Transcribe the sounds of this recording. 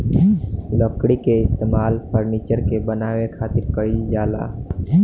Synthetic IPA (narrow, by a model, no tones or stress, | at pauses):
ləkɽikeɪst̪emalpʰəɾnit͡ʃəɾkebənaʋekʰat̪iɾkəɾid͡ʒala̰